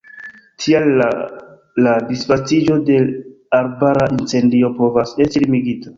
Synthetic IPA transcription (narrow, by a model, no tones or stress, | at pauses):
tʰial | ladisfat͡sid͡ʒo̞de̞ | aɾbaɾaʔint͡se̞ndio̞po̞vasestilimiɡita